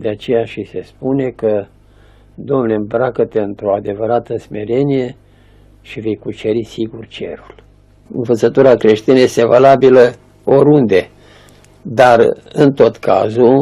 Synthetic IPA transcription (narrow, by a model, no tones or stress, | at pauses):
d̪eat͡ʃe̞jaʃise̞spune̞kə | d̪o̞mnulembɾakət̪eɨnt̪ɾo̞ad̪e̞vəɾat̪əsme̞ɾe̞nije̞ | ʃive̞jkut͡ʃe̞ɾisiɡurt͡ʃe̞̰ɾul | ɨ̰nvət̪sət̪uɾakɾe̞ʃt̪inəje̞st̪e̞valabilə | o̞ɾund̪e̞ | d̪arɨnt̪o̞t̪kʰa̰zu